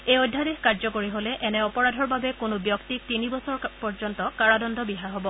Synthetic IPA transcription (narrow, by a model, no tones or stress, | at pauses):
ejodʱːadeɦkaɹzɔkoɹiɦolɛʔɛnɛɔpɔɹadʱɔɹbabɛkʊnʊbjɔktik̚tinibɔsɔɹpɔɹzɔntɔkaɹadɔndʱɔbiɦaɹɦobɔ